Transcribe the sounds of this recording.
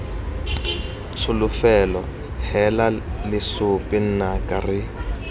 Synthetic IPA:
sʰʊlʊfɛlɔ | hɛlalɪsʊpʼɪn̩nakʼarɪ

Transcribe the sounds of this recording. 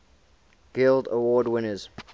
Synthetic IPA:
ɡ̥ɪldəwɔːdwɪnəz̥

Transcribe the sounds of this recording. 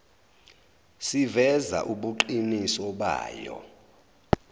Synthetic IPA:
sivɛza̰ʔuɓuǃinisɔɓa̰ːjɔ̰

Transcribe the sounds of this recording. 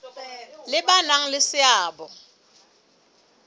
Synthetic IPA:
lɪbanaŋ̩lɪsɪaːbɔ

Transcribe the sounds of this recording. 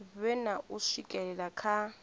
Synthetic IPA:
βɛnaʔuʂikʼɛɺɛɺakʰa

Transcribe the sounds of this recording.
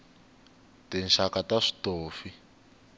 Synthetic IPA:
tɛnʃakataʂi̥toːfi

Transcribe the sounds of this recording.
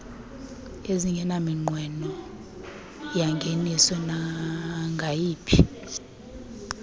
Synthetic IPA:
eziŋɡʱɛnamiŋ͡ǃʱwɛnɔ | jaŋɡʱenisɔna | ŋɡʱajiːpʰi

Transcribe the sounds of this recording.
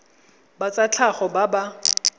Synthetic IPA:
bat͡sʼat͡ɬʰaχɔbaba

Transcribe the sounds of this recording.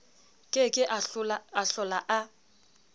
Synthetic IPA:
kʼɪkʼɪʔaaɬʊlaʔa

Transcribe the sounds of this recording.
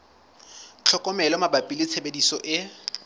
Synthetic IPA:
t͡ɬʰɔkʼɔmɛlɔmabapʼilɪt͡sʰebedisɔʔɪ

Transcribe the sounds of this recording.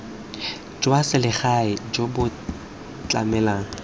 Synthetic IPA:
d͡ʒwasɪlɪχaɪd͡ʒobʊ | t͡ɬʼamɛlaːŋ̩

